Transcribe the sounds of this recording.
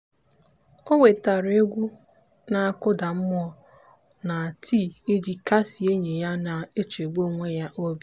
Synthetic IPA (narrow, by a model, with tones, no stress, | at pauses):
o˦we˨ta˨ɾe˦ɡʷu˦ | na˨a˨kʊ˦da˨m̩˦mʊ˦ɔ˦ | na˨tʰi˦˨i˦di˨ka˦si˨e˦ɲe˨ja˦na˨e˦t͡ʃe˨ɡ͡bo˦ŋʷe˦ja˦ʔo˦bi˦